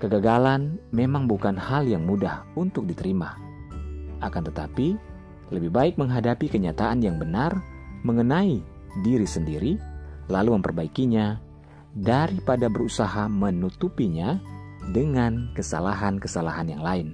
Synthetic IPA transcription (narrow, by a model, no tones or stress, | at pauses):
kəɡaɡalanmemaŋbukanhaljaŋmudahunt̪ʊk̚dit̪əɾima | ʔakant̪ət̪api | ləbɪhbaɪk̚məŋɦadapikəɲat̪aʔanjaŋbənarməŋənai | diɾisəndiɾilaluməmpərbaikiɲa | daɾipadabəɾusaɦamənut̪upiɲadəŋankəsa̰laɦankəsalaɦanjaŋlaɪn